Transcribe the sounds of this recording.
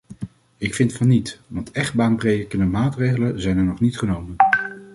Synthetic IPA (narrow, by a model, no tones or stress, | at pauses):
ɪkfɪntfɑnːitʋɑntɛχ̚baːnprejdəkənəmaːtrejχələnzɛjnɛɹnɔχnitχənowmən